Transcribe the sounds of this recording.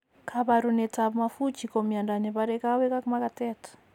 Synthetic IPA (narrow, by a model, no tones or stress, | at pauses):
kʰaβaɾunɛtaβumafut͡ʃikɔmiandanɛβaɾɛkawɛkakumakatɛtɔ̥